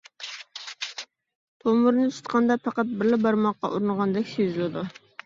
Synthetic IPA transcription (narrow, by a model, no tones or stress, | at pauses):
t̪ʰomʊɾnɨt̪ʰu̥t̪qʰɑnd̪ɑpʰɑqɑt̪̚bɪɾlɪbɑɾmɑqːɑ̰ʔuɾnəʁɑnd̪ɛkʲsøzɪlɪd̪u